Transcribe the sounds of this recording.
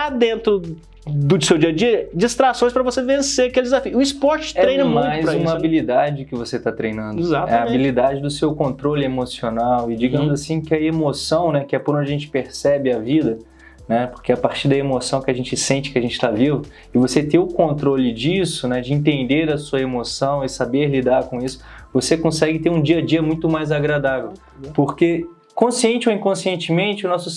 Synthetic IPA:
ad̪ẽnt̪ɾʊ | d̪ʊsewd͡ʒiɐd͡ʒiɐd͡ʒist̪ɾasõj̃spɾɐvosevẽseɾɐkelɪd͡ʒɪzafiʊʊispɔɾt͡ʃɪ̥tɛɾẽj̃nɐm̃ãjzɾũmɐɐabilid̪ad͡ʒɪd̪ʊkɪvoset̪at̪ɾejnɐ̃nd̪ʊzat̪ɛ̰ɐ̃bbilid̪ad͡ʒɪd̪ʊsewkõnt̪ɾolɪemosionawɪd͡ʒiɡɐ̃mʊzasĩkɪɐemosɐ̃w̃nɛkɪɛpʊɾ̃nd͡ʒɐʒẽnt͡ʃɪ̥peɾsɛbɪɐvid̪ɐ | nɛpoɾkeapaɾt͡ʃiɾd̪ɐemosɐ̃w̃kɪɐʒẽnt͡ʃɪsẽnt͡ʃɪkɪɐʒẽnt͡ʃɪ̥t̪avivʊ | ɪvoset̪ẽʊkõnt̪ɾolɪd͡ʒisʊnɛd͡ʒɪĩnt̪ẽnd̪eɾɐsuɐemosɐ̃w̃ɪsabeɾlid̪aɾkõisʊ̥ | vosekõsɛɡɪt̪eɾũd͡ʒiɐd͡ʒiɐmũj̃t̪ʊmajzaɡɾad̪avew | poɾke | kõsiẽnt͡ʃɪowĩkõsiẽnt͡ʃɪmẽnt͡ʃɪʊnɔsʊ

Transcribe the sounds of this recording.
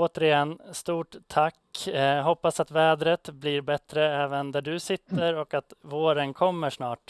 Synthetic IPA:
oːt̪əɾɪjɛnːst̪uːʈt̪ʰːakːɦɔpːasat̪vɛːd̪ɾət̪bliːɾbɛt̪ɾəɛːvənd̪æɖɵsɪt̪ːəɾɔkat̪voːɾənkʰɔmːəʂnɑːʈ

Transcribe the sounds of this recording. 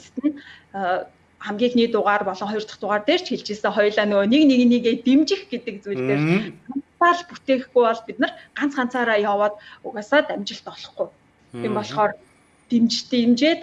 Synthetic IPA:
st̪ɘ̆n | χamɡʲiːxniːt̪ʊʁaːrpɔɮɞ̆ŋχɔjɞ̆rt̪ɞ̥̆χt̪ʊʁaːrt̪eːr̥t͡ɕʰxeɮt͡ɕĕːsɘ̆ŋχɔjɮaːnonekniɣniːɣeːt̪emt͡ɕɪ̆xɡet̪ɘ̆k̚t͡sujɮt̪eːranaːɮput̪eːxɡujɔɮpit̪̚nɘ̆rɢ̥an̥t͡sχan̥t͡sʰaːɾaːjɔːwɔːt̪uɣaːsɔːt̪æmʲt͡ɕɪ̆ɬt̪ɔɮɞ̆χɡuj | impɔɮχɔːr | t̪emt͡ɕt̪ʰemt͡ɕeːt̪

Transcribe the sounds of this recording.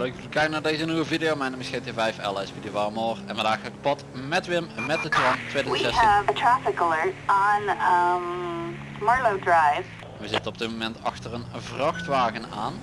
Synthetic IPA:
loɪkɪlkɛjkənaːɹdejzənyʋəvidejomɛnəməsxetjəvɛjfɛ̰lˠɛsfidjəʋaːmoːrɛ̰nʋəndaːxələkə̥pɑtmɛtʋɪmmɛt̚dətrɛntʋeːdisɛsəvətʰɹ̥æfəkəlɜ˞tn̩m | mɑɹloʊdɹaɪv | nʋəzɪtənɔb̚dɪt̚momɛntɑ̰xtərənvrɑxtʋaːɣəna̰ːn

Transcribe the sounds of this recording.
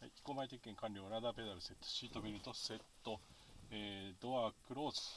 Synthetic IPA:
haii̥ko̞mait̪ekʲi̥kːẽ̞ŋkãnʲɾʲo̞ːɾad̪aːpe̞d̪aɾɯ̟se̞t̪ːo̥ɕiːt̪o̞mʲiɾʲɯ̟t̪ose̞t̪ːo̞eːd̪o̞βakɯ̟ɾo̞ːzɨ̥

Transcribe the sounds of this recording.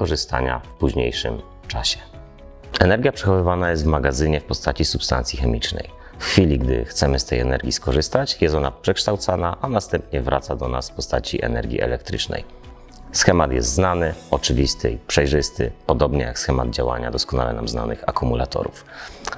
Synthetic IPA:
kɔʐɘst̪a̰ɲa̰fpuʑɲejʂɘ̰m | t͡ʂaɕɛ̥ | ɛnɛɾɡʲjapʂɛxɔvɘvanajɛst̪vmaɡazɘɲɛfpɔst̪at͡ɕisupst̪a̰nt̪sʲjixɛmʲit͡ʂnɛ̰j | fxfʲilʲiɡd̪ɘ̰xt̪sɛmɘst̪ɛjɛnɛɾɡʲiskɔʐɘst̪at͡ɕjɛst̪ɔnapʂɛkʂt̪awt̪sanaʔanast̪ɛmpɲɛvɾʔat̪sad̪ɔnasfpɔst̪at͡ɕiʔɛ̰nɛɾɡʲḭʔɛ̰lɛk̚t̪ɾɘt͡ʂnɛ̰j | sxɛmat̪jɛst̪znanɘɔt͡ʂɘvʲist̪ʰɘipʂɛjʐɘst̪ɘ̰pɔd̪ɔbɲɛjaksxɛmad̪̚d͡ʑawa̰ɲad̪ɔskɔna̰lɛnamzna̰nɘxakumulat̪ɔ̰ɾuf

